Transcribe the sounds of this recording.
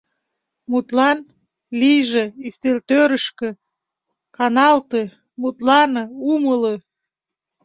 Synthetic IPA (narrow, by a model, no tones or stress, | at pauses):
mut̪lɑn | lijʒĕist̪elt̪øɾəʃkø̆ | kɑnɑlt̪e | mut̪lɑnɤumələ